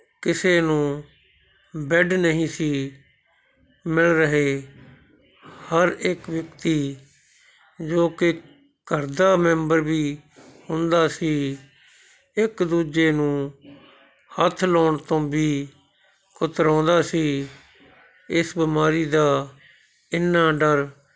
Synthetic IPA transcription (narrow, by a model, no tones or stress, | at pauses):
kɪseːnũː | bɛɖnəɦĩːsiː | mɪɭɾəɦeː | həɾekʋjəkt̪iː | d͡ʒoːkɪ | kəɾd̪aːmɛ̃ːmbəɾbiːhʊnd̪aːsiː | ɪkd̪uːd͡ʒeːnũː | hət̪ʰloːɳt̪õːbiː | kʊt̪ɾõːnd̪aːsiː | ɪsbɪmaːɾiːd̪aː | ɪnːaːɖəɾ